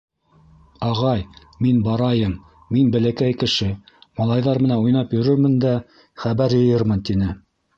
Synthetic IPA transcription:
ɑʁɑj | minbɑɾɑjɤm | minbæ̆lækæjkɘ̆ʃɘ | mɑlˠɑjðɑɾmɘ̆nænujnɑpjɵ̆ɾɵɾmɘ̆nd̪æ | χæβæɾjɤ̆jɤɾmɤnt̪inɘ

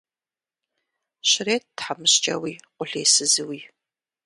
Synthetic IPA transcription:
ɕɪreːt̚dħamɨɕt͡ʃʼɐ̰wiːqʷʊɬḛːsɨzɨwiː

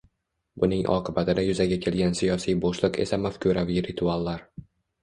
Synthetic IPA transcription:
bʊnɪŋʔɒ̰qʰɨbat̪ʰɪd̪ajʊzaɡʲakʲʰe̞lɡʲansijɒsijboʃlˠɨqe̞̰samafkʲʰuɾaviɾɪt̪ʰualˠːaɾ

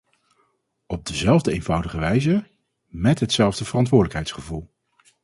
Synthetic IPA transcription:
ɔb̚dəzɛlˠvdəejnv̥ʌwdəχəʋɛjzə | mɛtɦətsɛlˠvdəv̥ərɑntʋʊːɹdələkɦɛjtsχəvulˠ

